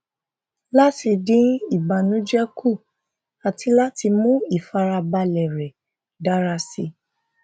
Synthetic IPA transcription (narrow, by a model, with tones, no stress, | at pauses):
la˦ti˧dĩ˦i˦˨ba˨nũ˨˦d͡ʒɛ˦ku˦˨ | a˨tʰi˧˦la˦ti˧mũ˦i˦˨fa˧ɾa˧ba˧lɛ˨ɾɛ˨ | da˨˦ɾa˧si˧